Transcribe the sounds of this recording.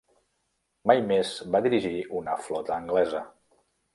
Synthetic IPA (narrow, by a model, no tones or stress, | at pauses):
majmezbaðiɾiʒiunəflɔt̪əːŋɡlɛzə